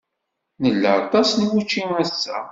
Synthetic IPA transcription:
nəlːə̰ˤt̪ˤɑsnwut͡ʃːimæsːæ̰

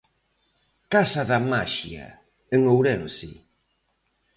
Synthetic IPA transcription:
kasaðamaʃia̰ | eŋowɾɛnsḭ

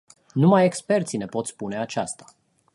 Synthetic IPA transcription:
numajekspe̞rt̪sine̞po̞t̪spune̞at͡ʃast̪ḁ

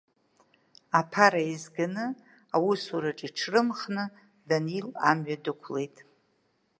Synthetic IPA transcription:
apʰaɾaizɡanɨ | awusuɾaʈ͡ʂʼiʈ͡ʂʰrɨmχnɨ | danilamɥadɨkʷʰle̞jtʼ

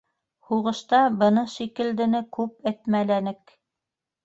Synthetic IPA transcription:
huʁɤ̆ʃt̪ɑbɤ̆nɤʃikɘ̆ld̪ɘ̆nɘkʉp̚æt̪mælænɘk

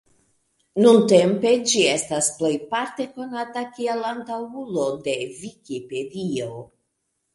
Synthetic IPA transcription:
nunte̞mpe̞d͡ʒie̞stasple̞jpaɾte̞ko̞natakielantawulo̞de̞vikipe̞dio̞

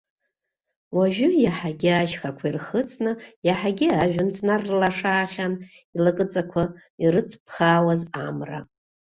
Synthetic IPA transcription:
waʒʷᶣʊjaħaɡʲɪaʒχakʷʰairχət͡sʼnɨjaħaɡʲɪaʒᶣʊnt͡sʰʼnarlaʂaːχʲan | ilakʼɨt͡sʼakʷʰa | irɨt͡sʰpʰχaːwazamra̰

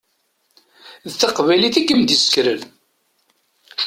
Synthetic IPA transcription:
ðθɑqvæjliθikːəmd̪isə̥kɾəl

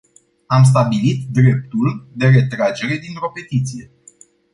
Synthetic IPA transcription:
ams̬t̪abilit̪d̪ɾe̞p̚t̪uld̪e̞ɾe̞t̪ɾad͡ʒe̞ɾe̞d̪int̪ɾo̞pe̞t̪it̪sije̞

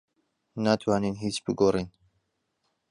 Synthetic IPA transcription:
naːt̪ʰwaːninɦiːt͡ʃbɨɡoːriːn

